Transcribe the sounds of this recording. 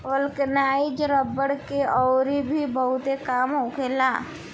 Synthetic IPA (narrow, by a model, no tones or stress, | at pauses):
ʋəlkənaːid͡ʒɾəbəɽkeɔːɾibʱibɐɦʊt̪ekaːmɦoːkelaː